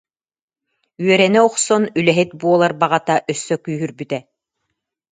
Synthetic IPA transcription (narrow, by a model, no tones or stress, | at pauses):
yœɾɛnɛɔqsɔnylɛɦit̪̚buɔlˠaɾbaʁat̪aʔœsːœkyːɦyɾbyt̪ɛ